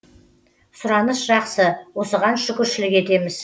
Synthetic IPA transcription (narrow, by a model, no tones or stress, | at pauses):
sʊɾɑnəsʒɑqsəwo̞səʁɑnʃʏkʲɪɾʃɪlɪke̞t̪e̞mɪz